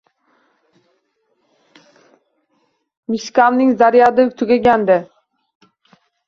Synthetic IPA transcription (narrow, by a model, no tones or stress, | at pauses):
miʃkʲɑlˠnɪŋzaɾjɑd̪ɪt̪ʰʊɡʲaɡʲænd̪ɪ